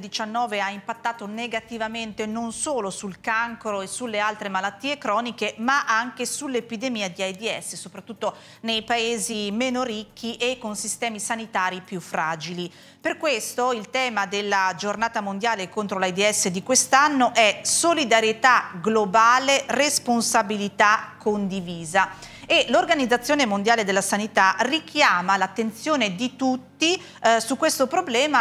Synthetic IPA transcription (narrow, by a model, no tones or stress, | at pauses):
d̪it͡ʃanːɔːveaimpat̪ːaːt̪oneɡat̪ivament̪enonsoːlosulkaŋkɾoesulːealt̪ɾemalat̪ːiːekɾɔːnikemaʔaŋk̟esulːepid̪emiːad̪iajd̪iɛsːesopɾat̪ːut̪ːo | nejpaeːzimeːnoɾikʰːiʔekːonsist̪ɛːmisanit̪aːɾipjufːɾaːd͡ʒili | perkwest̪oilt̪ɛːmad̪elːad͡ʒornaːt̪amond̪jaːlekont̪ɾolaid̪iɛsːed̪ikwest̪anːoʔɛsolid̪aɾjet̪aɡlobaːleresponsabilit̪akʰːond̪iviːza | elorɡanid̪zːat̪sːjoːnemond̪jaːled̪elːasanit̪arikʰjaːmalat̪ːent̪sjoːned̪it̪ut̪ːi | sukːwest̪opɾoblɛːma